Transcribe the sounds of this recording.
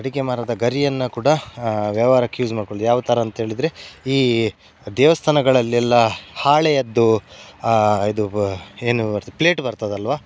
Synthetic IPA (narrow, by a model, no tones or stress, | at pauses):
ɐɽikemaːɾad̪ɐɡɐɾijɐnːɐkuːɽɐʋjɐʋaːɾɐkjuːd͡ʒmaːɽkoɭid̪ujaːʋɐt̪ʰɐɾɐːnt̪ɐɦeːɭid̪ɾeiː | d̪ɛːʋɐst̪ʰɐnɐɡɐɭɐlːiɛlːɐhaːɭejɐd̪ːu | id̪ueːnuɐɾt̪pleːʈbɐɾt̪ɐd̪ɐlʋaː